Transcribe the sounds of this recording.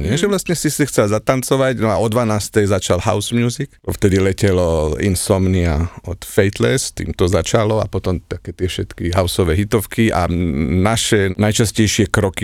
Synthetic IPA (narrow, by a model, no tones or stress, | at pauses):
ɲɪɛʒɛʋlast̪ɲɛsisixt͡sɛlzat̪ant͡sɔʋaɟnɔaɔd̪ʋanaːst̪ɛjzat͡ʃalha̰ʊsmjuːzikɔft̪ɛd̪ilɛcɛlɔḭnsɔmniaɔt̪fɛjt̪lɛst̪ḭːmt̪ɔzat͡ʃalɔa̰pɔt̪ɔmt̪akɛːt̪ɪɛfʃɛt̪kiɦaʊsɔʋɛːɦit̪ɔfkiʔa̰naʃɛnajt͡ʃascɛjʃɪɛkɾɔki